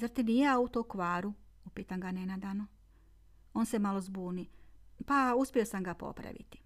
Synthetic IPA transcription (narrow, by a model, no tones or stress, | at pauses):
zaɾt̪inijaut̪okʋaːɾu | upiːt̪aŋɡanenad̪ano | o̞ːnsemalˠo̞zbuːnipauspʲio̞samɡapo̰pɾa̰ʋḭt̪i̥